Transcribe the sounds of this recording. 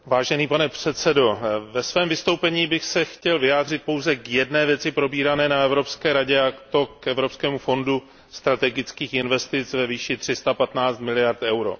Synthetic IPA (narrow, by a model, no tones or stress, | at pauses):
vaːʒɛniːpanɛpr̥ɛt̪sɛdo̞vɛsvɛːmvɪst̪owpɛɲiːbɪxsɛxcɛlvɪjaːd̪r̝ɪt̪̚po̞wzɛkjɛdnɛːvjɛt͡sɪpɾo̞biːɾanɛːnaɛvɾo̞pskɛːɾaɟɛakt̪o̞kɛvɾo̞pskɛːmufo̞ndu | st̪ɾat̪ɛɡɪt͡skiːxɪnvɛst̪ɪt͡svɛviːʃɪt̪r̝̥ɪst̪apat̪naːt͡st̪mɪlɪjaɾt̪ɛwɾo̞̰